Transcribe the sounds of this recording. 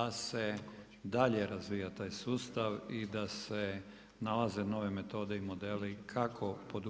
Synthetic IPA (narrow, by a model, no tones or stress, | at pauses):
ase̞ | d̪aʎe̞ɾazʋiːjat̪aːjsuːst̪aʋid̪ase | nalaze̞no̞ʋe̞me̞t̪o̞ːd̪e̞imo̞d̪elikʰakʰo̞pod̪u